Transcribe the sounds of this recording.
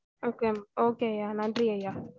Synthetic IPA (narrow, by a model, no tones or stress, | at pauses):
okeokejanandijɛja